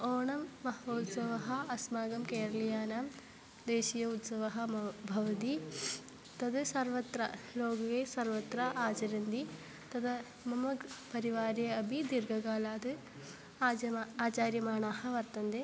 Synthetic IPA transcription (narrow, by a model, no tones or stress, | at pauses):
oːɳɐmːɐɦɐʋɐːt̪sɐʋɐɦɐɐsmaːɡɐmkeːɾɐlijaːnaːm | d̪eːʃijɐut̪sɐʋɐɦɐbʱɐʋɐd̪i | t̪ɐd̪ɐsɐɾʋɐt̪ɾɐloːɡɐʋeːsɐɾʋɐt̪ɾɐʔaːt͡ʃɐɾɐnd̪i | t̪ɐd̪ɐ | mɐmɐɡpɐɾiʋaːɾjɐɐbʱid̪iɾɡʱɐɡaːlaːd̪ɨ | ɐaːt͡ʃaːɾjɐmaːɳaːhɐ̆ʋɐɾt̪ɐnd̪eː